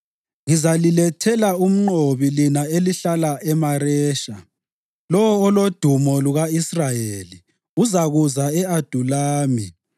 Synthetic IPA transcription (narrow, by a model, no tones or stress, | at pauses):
ŋizalilɛtʰɛlaum̩ŋ͡ǃoβilinaeliɬalaʔɛmaɾɛːʃa | lɔwɔːlod̥ʱumɔluɣaisrajeli | uzaɣuzaɛad̥ʱulaːmḭ